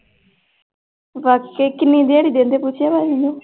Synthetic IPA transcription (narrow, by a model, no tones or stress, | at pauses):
ʋaːkːeːkɪnĩːd̪eaːɽiːd̪ẽːnd̪eːpʊt͡ʃʰjaːbaːimɪ̃ɲd͡ʒoː